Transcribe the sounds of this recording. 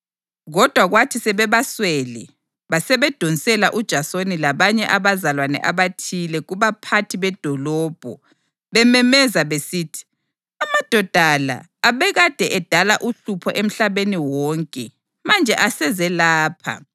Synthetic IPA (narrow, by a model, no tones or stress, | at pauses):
ɣɔd̥ʱwaɣwatʰisɛβɛβaswɛlɛ | βasɛβɛd̥ʱonisɛlaʔud̥ʒ̥ʱasonilaβaɲɛʔaβazalwanɛ̰ʔaβatʰilɛɣuβapʰatʰiβɛd̥ʱɔlɔːb̥ʱɔ | βɛmɛmɛzaβesiːtʰi̥ | amad̥ʱɔd̥ʱala̰ːβɛɣad̥ʱɛʔɛd̥ʱalaʔuɬupʰɔʔem̩ɬaβeniwɔŋkʼɛ | mand͡ʒʱɛʔasɛzɛlaːpʰa̰